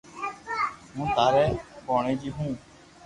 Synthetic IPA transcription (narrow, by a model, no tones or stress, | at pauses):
mũːt̪aːɾɛːpoːɳeːd͡ʒiːɦũː